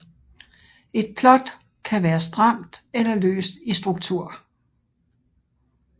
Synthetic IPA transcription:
e̝d̥̚pʰlɒ̽d̥ | kʰæʋæːɐsd̥ʁɑm̰d̥elɐlø̰ːsd̥isd̥ʁuɡ̥̚t͡sʰuɐ̰

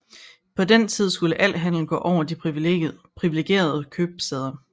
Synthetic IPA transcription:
pʰɒ̽dent͡sʰið̞̰ˠsɡ̥uləʔæl̰ɦæn̰l̩n̩ɡ̥ɔ̰̽ːʔɒʊ̰ɐd̥ipʰʁiʋepʰʁiʋile̝ɡ̥e̝̰ːɐð̞̩ˠəkʰøb̥seð̞ˠɐ

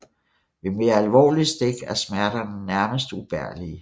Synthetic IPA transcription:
ʋe̝me̝ːɐælʋɒ̰ːlisd̥eɡ̥æɐsmæɐɾ̥ɐnnæɐməsd̥ub̥æɐ̰li

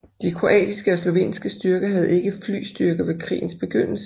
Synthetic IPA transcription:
d̥ikʰʁo̝ʔɛ̰ːd̥isɡ̥əɒ̽slo̝ʋe̝̰ːnsɡ̥əsd̥yɐɡ̥ɐɦæð̞̩ˠe̝ɡ̥əfly̰ːsd̥yɐɡ̥ɐʋe̝kʰʁḭːn̩sb̥e̝ɡ̥øn̰l̩sə

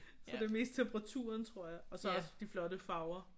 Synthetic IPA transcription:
fɒd̥eme̝̰ːsd̥t͡sʰempʁɑ̈t͡sʰṵːɐnt͡sʰʁo̝ɐ̰jɑ̈ɒ̽sɒ̽ɒsd̥iflɒ̽ɾəfɑ̈ʊɐ

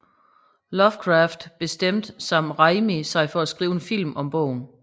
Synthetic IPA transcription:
lɒfkʰʁɑːfd̥b̥e̝sd̥em̰d̥sɑ̈m̰d̥ʁɑ̈ɪmisɑ̈ɪfɒ̽æsɡ̥ʁiːʊe̝nfil̰mʔɒ̽mb̥ɔ̰̽ʊ̰n̩

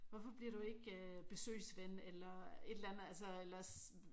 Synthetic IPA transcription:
ʋɒfɒ̽b̥liɐɾ̥ue̝ɡ̥øb̥e̝sø̰ːsʋenelɐe̝d̥lænð̩ˠæls̬ɐelɐs

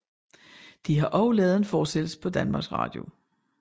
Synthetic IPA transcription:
d̥iɦɑ̈ʔɒʊlɛːð̞̩ˠe̝nfɒːsd̥el̰sə̥pʰɒ̽d̥ænmɑ̈ɡ̥sʁɑ̰̈ːd̥jo̝

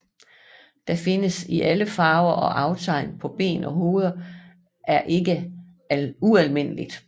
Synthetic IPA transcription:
d̥ɑ̈fe̝nəsiʔæləfɑ̈ːʊɐʔɒ̽ʔɑ̈ʊt͡sʰɑ̈ɪ̰npʰɒ̽b̥e̝̰ːnɒ̽ɦo̝ːð̞ˠɐ | ʔæɐʔe̝ɡ̥ə | uælme̝n̰əlid̥

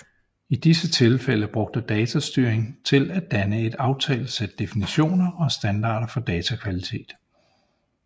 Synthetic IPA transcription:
id̥isət͡sʰe̝lfeləb̥ʁɔ̽ɡ̥̚d̥əd̥ɛːt͡sʰæsd̥yːɐeŋt͡sʰe̝læd̥ænəe̝d̥ɑ̈ʊt͡sʰɛ̰ːləsed̥ːe̝finiɕo̝̰ːnɐʔɒ̽sd̥ænd̥ɑ̰̈ːd̥ɐfɒ̽d̥ɛːt͡sʰækʰʋælit͡sʰe̝̰ːd̥

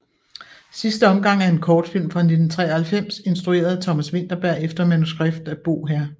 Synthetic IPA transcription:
sisd̥əɒ̽mɡ̥ɑ̈ŋ̰æɐe̝nkʰɒːd̥fil̰mfʁɑ̈ne̝d̥n̩t͡sʰʁɛ̰ːɐhælfem̰se̝nsd̥ʁue̝̰ːɐð̞̩ˠt͡sʰɒ̽mæsʋe̝n̰d̥ɐb̥æɐ̰efd̥ɐmænusɡ̥ʁab̥d̥æb̥o̝̰ːɦæɐ̰

